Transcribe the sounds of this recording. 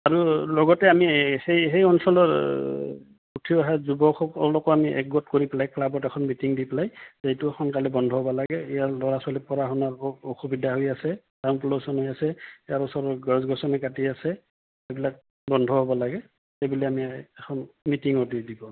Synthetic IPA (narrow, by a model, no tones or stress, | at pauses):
aɹulɔɡɔtɛamihejɦejɔnsɔlɔɹ | utʰiɔɦazubɔxɔ̰lɔkɔamiʔɛ̰k̚ɡɔtkoɹipɛlajklabɔtɛkʰɔnmitiŋdipɛlajzejtuɛxʰɔnkalɛbɔndʱɔɦɔbalaɡɛɛjalɔɹasalipɔɹaɦɔnaɹoxubidʱaɦojasɛ | tanpulosɔnɦojasɛjaɹɔsɔɹɔɡazɡʱɔsɔnɛɡatiasɛ | abilak̚ | bɔndʱɔɦɔbɔlaɡɛ | tejbulɛamiɛkʰɔnmitiŋɔdidibɔ